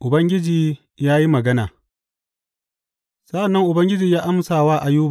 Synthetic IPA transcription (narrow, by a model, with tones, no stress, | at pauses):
ʔʊ˨bɐ˦ŋɡʲɪ˦d͡ʒiː˨ | jaː˦ji˦mɐ˨ɡɐ˦na̰ː˨ | sɐ˦ʔa˨nːɐ˦ŋʔʊ˨bɐ˦ŋɡʲɪ˦d͡ʒiː˨jaː˦ʔa˦msaː˨waː˦ʔa˨juː˦˨